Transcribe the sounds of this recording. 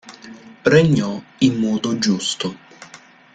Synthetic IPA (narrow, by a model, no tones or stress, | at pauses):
reɲːɔimːɔːd̪od͡ʒust̪o